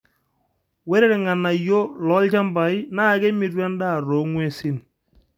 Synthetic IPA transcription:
wɛ˦ɾɛ˦ɾɛ˨ŋa˨na˨jo˦lɔ˨˦lt͡ʃa˦mba˨ɪ˦na˦˨ke˦mi˨rwa˦nda˦˨ɾo˨˦ŋwe˦sɪ˦n

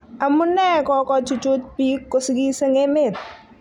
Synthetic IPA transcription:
a˨mu˦nːɛ˦kɔkɔt͡ʃu˨t͡ʃu˦t̚piːkːʊ˦sɡi˦se˦ŋe˦me˨t̪̚

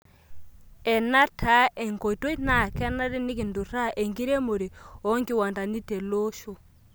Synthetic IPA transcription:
ɛ˨na˦tʰa˦ʔɛ˨ŋko˨to˦i˦na˨kɛ˦na˦ɾi˦ni˦ki˨ndu˨ɾa˦ʔe˨ŋɡi˦ɾe˦mo˨ɾi˨ɔ˦ŋɡi˦wa˨nda˨ni˦te˨lo˦ʃo˨

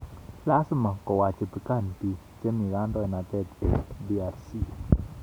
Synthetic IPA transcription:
la˦su˦ma˨kɔ˨wa˨t͡ʃə˨pi˨ka˦˨npi˨ | t͡ʃə˦ni˨ɡa˦ndɔ˦ɛ˨na˨t̪ɛ˦˨t̪ɛ˨di˦a˨ɾsi˦

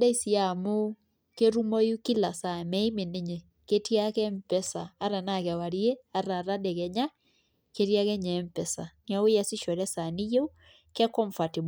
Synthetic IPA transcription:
dɛ˦i˦si˨a˨mo˦ | ke˦ɾu˦mɔ˦ju˦ki˦la˨sa˨mɛ˦i˦me˨ne˦ɲe˨ | ke˦ti˦a˦kɛ˦mpɛ˦saː˨˦ɾa˨na˨kɛ˨wa˨ɾi˦e˦a˦ɾa˨ɾa˦dɛ˨ɣɛ˨ɲa˦ | ke˦ɾja˦ɣɛ˦ɲɛ˨˦mpɛ˨sa˨na˦o˦ja˦si˦ʃɔ˨ɾɛ˦sa˨ni˦je˦u˦ | kɛ˦kɔ˦ɱfa˨ti˨m

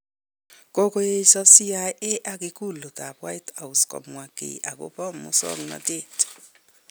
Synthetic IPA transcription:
ko˦ko˦je˦i˦sɔ˦si˦a˦ʔe˦ʔa˦kɪ˦ku˦˨lo˨ta˨pwa˦i˦ta˨u˨skɔ̰˨mwa˨kḛ˨a˨ko̰˦pɔ˦˨mːʊ̰˦sɔ̰˦ŋnɔ̰˦te˦˨t

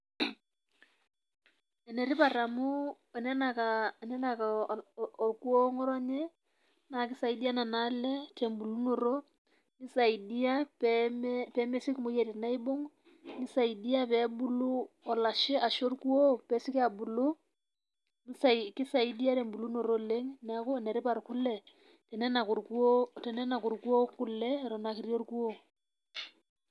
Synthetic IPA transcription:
ɛ˨nɛ˨ɾɪ˦pa˨ɾa˨mʊ˦ | ɛ˨nɛ˦na˨ka˨nɛ˦na˨ka˨o˨rku˦o˦ŋɔ˦ɾɔ˦ɲɛ˦ | na˨kɪ˦sa˨i˨di˦a˦na˨na˨˦lɛ˦te˨mbu˨lu˦no˨ɾo˦ | nɪ˦sa˨i˨di˦a˦pm˦pɛ˨˦mɛ˦sɪ˦kmo˦je˨ɾɪ˨na˦i˦bo˦ŋ | nɪ˦sa˨i˨di˦a˦pɛ˨˦bu˦lu˦ | ɔ˨la˨ʃɪ˦ʔa˨ʃo˦rku˦o˦pɛ˨˦sɪ˦ka˨bu˨lu˦ | n˦sa˨kɪ˦sa˨i˦di˦a˦te˨mbu˨lu˦no˨ɾo˦le˦ŋna˨˦kʊ˦˨nɛ˨ɾɪ˦pa˨rkʊ˦lɛ˨ | tɛ˨nɛ˦na˨ku˨ɾko˦tɛ˨nɛ˦na˨ku˨rkwo˦kʊ˦lɛ˦ɾɔ˨na˨ki˨ɾjo˦rku˦o˦

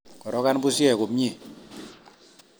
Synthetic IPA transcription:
kɔ˨ɾɔ˦ka˦nbu˦sjɛ˦˨ko˨pɲe˦˨

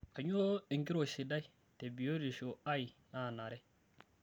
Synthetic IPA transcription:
ka˨ɲ˦o˦o˦i˨ŋɡi˦ɾo˨ʃi˨da˦i˦ | te˨bi˨jo˦ɾi˨ʃo˨a˦i˨na˦˨na˨ɾe˦

